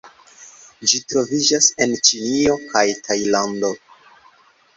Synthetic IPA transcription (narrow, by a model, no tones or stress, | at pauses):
d͡ʒitɾo̞vid͡ʒase̞nt͡ʃinio̞kajtʰajlando̞